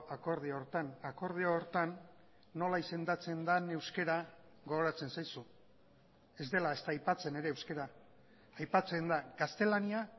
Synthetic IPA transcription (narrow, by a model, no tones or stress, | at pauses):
ako̞ɾð̞iooɾt̪anako̞ɾð̞iooɾt̪anː | o̞laise̞nd̪at͡se̞nd̪ane̞wske̞ɾa | ɡo̞ɣoɾat͡se̞nsajsu | e̞zd̪e̞lae̞st̪aːjpat͡se̞ne̞ɾe̞ːwske̞ɾaː | jpat͡se̞nd̪aɡast̪e̞lania